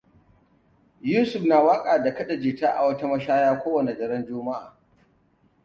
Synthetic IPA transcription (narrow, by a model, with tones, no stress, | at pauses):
juː˦sʊ˨ɸnaː˨waː˦kʼaː˨da˨kɐ˦ɗa˨d͡ʒiː˨taː˦ʔa̰˨wɐ˦ta˦mɐ˦ʃaː˦jaː˦kʷoː˦wɐ˨ne˨d͡ʒɐ˨ɾɐ˦nd͡ʒʊː˦mɐ˦ʔa̰ː˨